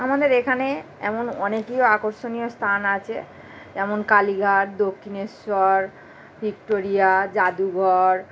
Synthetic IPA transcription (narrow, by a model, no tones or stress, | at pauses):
amad̪eɾekʰaneɛ̰monɔnekioakoɾʃonijost̪ʰanat͡ɕʰḛ | ɛmonkaliɡʱaʈ̚d̪okʰːinesɔɾ | bʱik̚ʈoɾijad͡ʑad̪uɡʱɔɾ